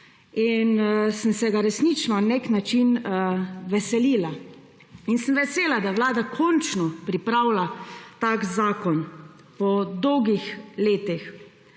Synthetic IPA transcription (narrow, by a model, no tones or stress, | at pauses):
insəmsɛɡaɾɛsnit͡ʃnɔneknat͡ʃin | ʋɛsɛlila | insəmʋɛseːlad̪awlaːd̪akʰɔnt͡ʃnɔpɾipɾawlat̪akzaːkɔn | pɔd̪ɔwɡixleːt̪ix